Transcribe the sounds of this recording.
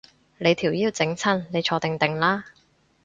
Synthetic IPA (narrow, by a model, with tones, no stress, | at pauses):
le˨˧jt̪ʰiː˨˩wjiː˧wt͡sɪ˨˥ŋt͡sʰɐ˥˩nle˨˧jt͡ʃʰɔː˧t̪ɪ˨ŋt̪ɪ˨ŋlaː˥